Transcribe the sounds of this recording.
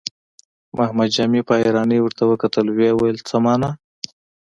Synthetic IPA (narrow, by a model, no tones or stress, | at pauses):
mahmad̪d͡ʒamipɑjɾɑnəwəɾt̪awəkat̪əlwewajəlt͡səmɑna